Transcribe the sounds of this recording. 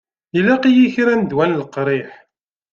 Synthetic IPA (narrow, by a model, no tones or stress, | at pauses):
ilæqijiçɾænd̪wænləqɾˤiħ